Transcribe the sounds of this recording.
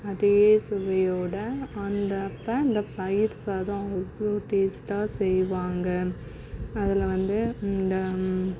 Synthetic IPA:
ɐðɪjeːsʊʋɐjoːɽɐɐnd̪ɐpːɐɪnd̪ɐpɐjɪɾsaːðãɔoːʈeːsʈaːsɛjʋaːŋɡɐ | ɐðɪlʋɐnd̪ɯɪnd̪ɐ

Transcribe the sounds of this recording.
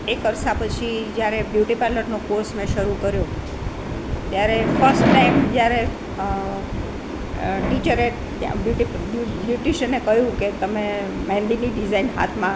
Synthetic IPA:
ekəɾsapət͡ʃʰid͡ʒjaɾebjuʈipɛləʈnokoɾsmẽʃəɾukəɾjo | t̪jaɾefʰəɾsʈʈaimd͡ʒjaɾe | ʈit͡ʃəɾe | ja̰bjuʈi | bubjuʈiʃənekəɦjũket̪əme | mɛ̃nd̪iniɖizainɦa̰t̪ʰmã

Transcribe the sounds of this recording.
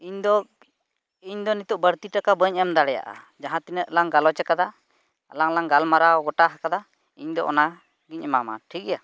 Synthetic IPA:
iɲd̪ɔ | iɲd̪ɔnit̪uʔbəɾt̪iʈakabəɲʔɛmd̪aɽɛja̰ʔa̰ | d͡ʒaɦãt̪inəʔ̪laŋɡalɔt͡ʃɛkad̪a | alaŋlaŋɡalmaɾawɡɔʈaɦakad̪a | iɲd̪ɔʔɔ̰na | ɡiɲɛmama̰ʈʰik̚ɛja

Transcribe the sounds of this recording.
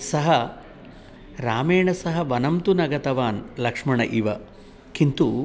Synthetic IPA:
sɐɦɐ | ɾaːmeːɳɐsɐɦɐʋɐnɐmt̪unɐɡɐt̪ɐʋaːnlɐkʂmɐɳɐʔiʋɐ | kint̪u

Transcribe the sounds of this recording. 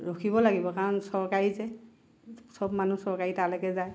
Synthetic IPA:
ɹokʰibɔlaɡibɔkaɹɔnsɔɹkaɹizɛ | sɔbmanusɔɹkaɹitalekɛzaj

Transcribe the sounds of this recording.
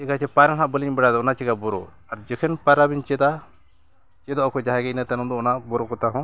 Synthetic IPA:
ɛɡat͡ʃɛpaɾaɦãʔbəliɲbɛɽad̪ɔɔnat͡ʃɛɡabɔɾɔ̰ | aɾd͡ʒɛkʰɛnpaɾabiɲt͡ʃɛd̪a | t͡ʃɛd̪ɔʔɔkɔd͡ʒaɦɛ̃ɡɛnat̪ɛnɔ̃d̪ɔɔnabɔɾɔkɔt̪aɦɔ̃

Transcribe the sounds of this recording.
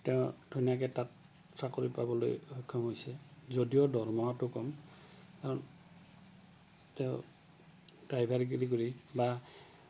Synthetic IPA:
tɛʊ̃tʰunjak̬ɛtat | pʰɹakoɹipa̰bɔlo̰jhɔkʰːɔmɦojsɛzodiɔdɔɹmɔɦatʊkɔm | kaɹɔn | tɛʊ̃ | dɹajbʱaɹiɡ̬iɹikoɹiba

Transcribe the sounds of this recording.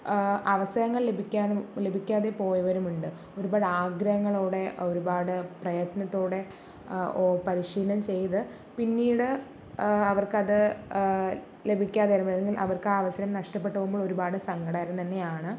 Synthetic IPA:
ɐʋɐsɐjɐŋːɐɭle̞bʱikʲːaːnle̞bʱikʲːaːðepo̞ːjɐʋɐɾumuɳɖɨ | o̞ɾubaːɽaːɡɾɐhɐŋːɐɭoːɽe̞o̞ɾubaːɽɨprɐjɐt̪nɐt̪ːoːɽe̞ | oːpɐɾiɕiːlɐmt͡ɕe̞jðɨ | pinːiːɽɨ | ɐʋɐrkɐðɨ | le̞bʱikʲːaːðeɾumɐeŋɡilʔɐ̰ʋɐrkaːɐʋɐsɐɾɐmnɐʂʈɐpːe̞ʈːɐʋumboːɭo̞ɾubaːɽɨsɐŋɡɐɽaːɾɐmt̪ɐnːe̞jaːɳɨ

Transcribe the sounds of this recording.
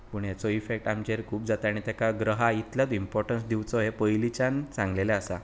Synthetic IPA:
puːɳjat͡sɔifekʈamt͡ɕeɾkʰuːp̚d͡zat̪aɽ̃it̪jakaɡɾəɦait̪ljat̪impɔɾʈənsd̪iwt͡sɔɦepəjlit͡ɕant͡sãŋɡleleasa

